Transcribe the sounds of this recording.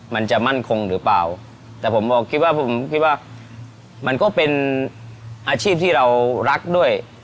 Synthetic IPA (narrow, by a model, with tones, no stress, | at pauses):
ma˧nt͡ɕa˨˩ma˥˩nkʰo˧ŋɾɯː˩˦pla̰ː˨˩w | t̪ɛː˨˩pʰo˩˦mbɔː˨˩kʰi˦˥waː˥˩pʰo˨˩˦mkʰi˦˥t̪̚waː˥˩ | ma˧nkɔː˥˩pe˧n | ʔaː˧t͡ɕʰiː˥˩p̚t̪ʰiː˥˩ɾa˧wɾa˦˥k̚du˥˩əj